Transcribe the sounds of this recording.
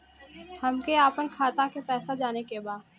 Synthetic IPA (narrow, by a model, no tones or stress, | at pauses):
hɐmkeaːpənkʰaːt̪akepɛːsad͡ʒaːnekebaːd̪